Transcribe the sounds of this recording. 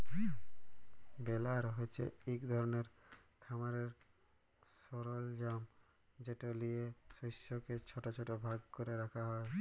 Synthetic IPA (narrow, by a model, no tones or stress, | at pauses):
belaɾɦojt͡ɕʰḛikd̪ʱɔɾoneɾ | kʰamaɾeɾ | soɾold͡ʑam | d͡ʑeʈolijesojʃːoket͡ɕʰɔʈat͡ɕʰɔʈobʱaɡkoɾeɾakʰaɦɔe